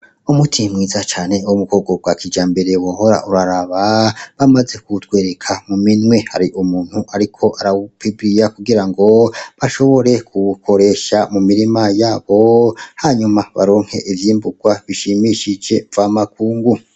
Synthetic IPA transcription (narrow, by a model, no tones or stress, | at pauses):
umutʰimŋiːzat͡ʃaːne̞womukʰo̞ːɡob̚ɡwakʰid͡ʒaːmbe̞ɾe̞woɦo̞ɾa̰ʔuɾaɾaβaβamaze̞kutkwe̞ːɾe̞kʰamuminwe̞ha̰ɾiʔumuːn̥huʔaɾikʰo̞ʔaɾaβupibɾijakuɡiɾaŋɡo̞βaʃo̞βo̞ɾe̞kʰukʰo̞ɾe̞ːʃamumiɾimajaːβo̞haɲumaβa̰ɾo̞ːŋ̥he̞̰ʔivjiːmbuɡ̥waβiʃimiʃid͡ʒe̞v̥aːmak̚ʰuːŋɡu